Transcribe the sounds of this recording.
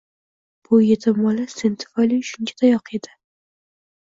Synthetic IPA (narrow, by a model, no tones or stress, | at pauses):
b̥ʊjet̪ʰɪmɒlasent̪ʰɪ̥fɒjliʃʊnt͡ʃʲʰḁt̪ʰajɒqed̪ɪ